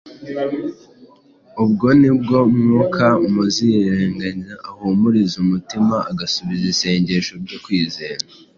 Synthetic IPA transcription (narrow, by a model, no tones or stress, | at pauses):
ub̚ɡo̞nib̚ɡo̞mŋokʰaumuziɾeːŋɡaɲaahuːmuɾizumutimaaɡasuβizise̞ːɲɟe̞ʃo̞bɟokwiːze̞ːɾa